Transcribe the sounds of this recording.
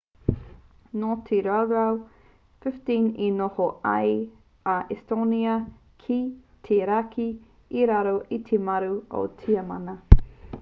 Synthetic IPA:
notʰiɾaaw | fɪftĩninohoɐ̰j | ɐʔestoniɐ | kʰi | tʰeɾakʰiː | ɾaɾoʔitʰemɐɾuo̰tʰiɐmɐnɐ

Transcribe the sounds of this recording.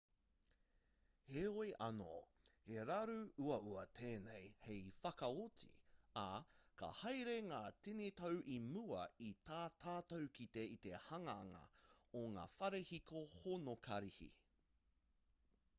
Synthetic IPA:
heojʔɐ̰no̰ | heɾɐɾʉuɐuɐtʰeːnejhejfɐkɐot͡sḭakɐ̰hɐjɾeŋaːtinitɐwʔimuɐ̰itʰaːt̪ʰaːtowkiteit̪ehɐŋɐːŋɐ̰oŋa̰ːfɐɾehikohonokʰɐɾihḭ

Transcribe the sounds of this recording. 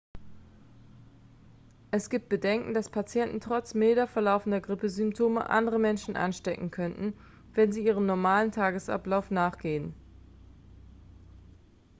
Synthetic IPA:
ʔɛsɡ̥iːp̚t̚b̥ədɛŋkŋ̩d̥aspʰat͡sjɛntn̩tʁ̥ɔt͡smeːdɐfɛɐlaʊfn̩dɐɡʁɪpəzʏmptʰoːmə̰ʔa̰ndəʁəmɛnʃn̩ʔa̰nʃtɛkŋ̩kʰœntn̩ | vɛnziːiːʁ̞əmnɔɐmaːləntʰaːɡəsʔa̰plaʊfnaːχɡ̥eːən

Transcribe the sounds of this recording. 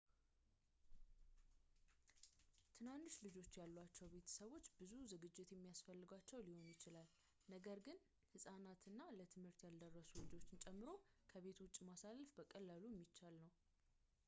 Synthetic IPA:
t̪ʰɨnand̪ɨʃlɨd͡ʒo̞t͡ʃːjalːwat͡ʃːɛwbe̞t̪ʰə̥səβwo̞t͡ʃːbɨzuzɨɡɨd͡ʒːɪt̪jɛmːijasfəlːɨɡwat͡ʃːɛwliho̞njɪt͡ʃɪlal | nəɡəɾɡɨn | hɨsʼanat̪ʰɨnːalət̪ʰɨmhɨɾt̪jald̪ərːəsulɨd͡ʒo̞t͡ʃːɪnt͡ʃʼɛmːɨɾo̞kʰəβe̞t̪wʊt͡ʃʼːmasalfbəkʼəlːalujɛmːit͡ʃːalnəw

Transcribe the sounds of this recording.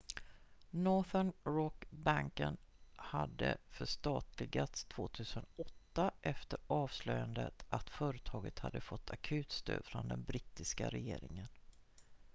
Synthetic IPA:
nɔθəɳɾɔkbaŋkənhad̪ːəfœʂt̪ɑːt̪lɪɡat̪st̪ʰv̥oːt̪ʰʉ̟ːsənɔt̪ːaʔɛft̪əɾɑːvslœjand̪ə̰t̪ʔat̪fœːɾət̪ʰɑːɡət̪had̪ːəfɔt̪ʰːakʰʉ̟ːt̪st̪ʰø̰ːd̪fɾɔnd̪ɛnbɾɪːt̪ːɪska̰ɾɛjeːɾɪŋən

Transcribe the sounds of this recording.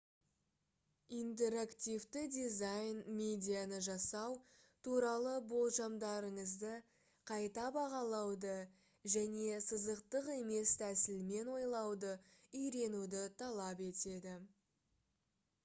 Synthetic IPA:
ijnt̪̬e̞ɾakt̪ʲijvt̪ɪd̪izajnmʲe̞d̪ʲijanəʒɑsɑw | t̪ʰuɾɑlˠəbo̞lˠʒɑmd̪ɑɾəɴəzd̪ə | qʰɑjt̪ɑbɑʁɑlˠɑwd̪ə | ʒæne̞səzəqt̪əqe̞me̞st̪ʰæsɪlme̞nwo̞jlˠɑwd̪əʏjɾe̞nud̪ɪt̪ʰɑlˠɑpe̞t̪e̞d̪ɪ

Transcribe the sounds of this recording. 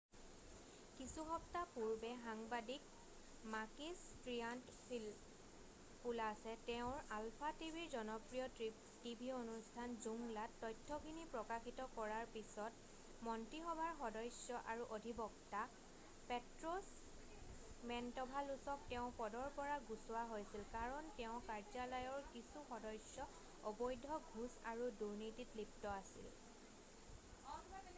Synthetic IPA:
kisuxɔptapuɹbɛxaŋbadik | makis | tɹijant | pʰil | pulasɛtɛʊ̃ɹalpʰatibʱiɹzɔnɔpɹijɔ | tibʱionustʰanzuŋlatːɔjtʰːɔkʰinipɹɔkaxitɔkɔɹaɹpisɔt | mɔntɹixɔbʱaɹxɔdɔjsjɔʔaɹuʔodʱibɔkta | pɛtɹɔs | mɛntɔbʱalusɔk̚tɛʊ̃pɔdɔɹpɔɹaɡusʊwaɦojsilkaɹɔntɛʊ̃kaɹzalajɔɹkisuxɔdɔjsjɔ | ɔbɔjdʱɔɡʱusaɹuduɹnititlip̚tɔasḭl

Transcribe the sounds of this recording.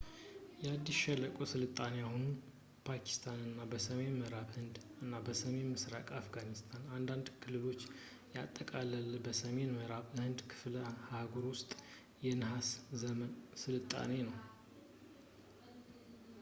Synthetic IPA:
jɛad̪ːisʃɛləkʼosɨlɨt̪ʼːaneahunu | pʰakʰi̥st̪ʰanɨnːabəsəme̞nməɾaβhɨnd̪ɨnːabəsəme̞nmɨsɾakʼafɡanist̪ʰanand̪and̪kʰɨlɨβo̞t͡ʃː | jat̪ʼːəkʼaləlbəsəme̞nməɾaβhɨnd̪kʰɨ̥fləhaɡoɾwʊst̪ʼ | jɛnɨɦaszəmənsɨlɨt̪ʼːa̰ne̞nəw

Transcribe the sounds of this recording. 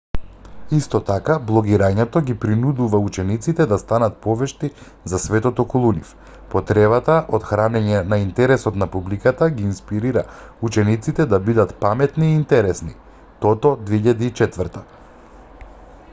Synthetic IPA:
ist̪ɔt̪akablˠɔɡiɾaɲɛt̪ɔɡipɾinud̪uvaut͡ʃɛnit̪sit̪ɛd̪ast̪anat̪̚pɔvɛʃt̪i | zasvɛt̪ɔt̪ɔkɔlˠunif | pɔt̪ɾɛβat̪aʔot̪xɾanɛɲɛnaint̪ɛɾɛsɔt̪napublikat̪aɡiːnspiɾiɾaut͡ʃɛnit̪sit̪ɛd̪abid̪at̪pamɛt̪niːnt̪ɛɾɛsni | t̪ɔt̪ɔd̪veiʎad̪iːt͡ʃɛt̪vəɾt̪a

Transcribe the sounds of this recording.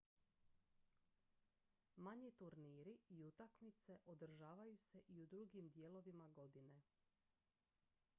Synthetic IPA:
maɲit̪uɾniːɾiiut̪akmit̪se̞ʔod̪r̩ʒaːʋajuse̞ʔiud̪ɾuɡimd̪jeːlo̞ʋimaɡo̞d̪ine̞

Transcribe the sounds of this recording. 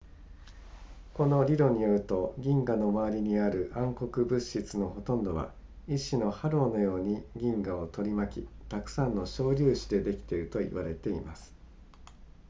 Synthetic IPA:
ko̞no̞ɾʲiɾo̞ɲ̟ijo̞ɾɯ̟t̪o̞ɡʲĩŋɡano̞maβaɾʲiɲ̟iaɾɯ̟ʔãŋko̞kɯ̟bɯ̟ɕit͡sɨno̞ɦo̞t̪õ̞nd̪o̞βa̰ | iɕino̞haɾo̞ːno̞jo̞ːɲ̟iɡʲĩŋɡao̞t̪o̞ɾʲimakʲḭt̪akɯ̟̥sãnːo̞ɕo̞ːɾʲɨːɕid̪e̞d̪e̞kʲi̥t̪e̞ɾɯ̟t̪o̞ḭβaɾe̞t̪e̞ḭmasɨ̥

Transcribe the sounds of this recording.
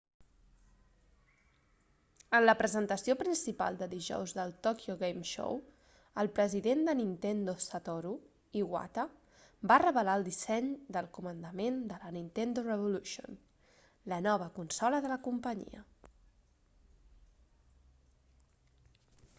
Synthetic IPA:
ənləpɾəzənt̪əsiopɾinsipa̰lˠd̪əðiʒɔ̰wzðəlˠt̪okijoɣejmʃo̰w | əlˠpɾəziðend̪ənint̪end̪osət̪oɾu | iɣwa̰t̪ə | barəβəlaəlˠd̪isɛɲd̪əlˠkumənd̪əmend̪ələnint̪end̪urəβuluʃio̰n | lənɔβ̞əkunsɔləðələkumpəɲḭə̰

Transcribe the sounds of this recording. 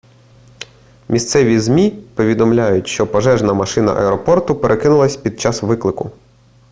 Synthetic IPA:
mʲist̪sɛʋʲizmʲipɔʋʲid̪ɔmlʲajʊtʲʃt͡ʃɔpɔʒɛʒnɐmɐʃɪnɐ̰ʔɐ̰ɛɾɔpɔrt̪ʊpeɾʔekɪnʊlˠɐsʲpʲid̪̚t͡ʃɑsʋɪklˠɪkʊ

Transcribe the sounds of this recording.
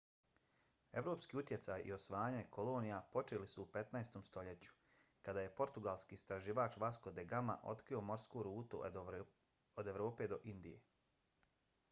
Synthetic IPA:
e̞ʋɾo̞ːpskiːut̪je̞t̪sajʔḭo̞sʋaːɲekʰo̞lo̞ːnijapo̞t͡ʃelisuːpe̞t̪naest̪o̞mst̪o̞ʎe̞t͡ɕu̥ | kad̪aːje̞po̞ɾt̪uɡalˠskiːst̪ɾaʒiːʋaːt͡ʃʋasko̞d̪eɡama̰ʔo̞̰t̪kɾio̞mo̞ɾskoɾuːt̪u | od̪e̞ʋɾo̞ːpe̞ːd̪o̞ʔind̪ijḛ

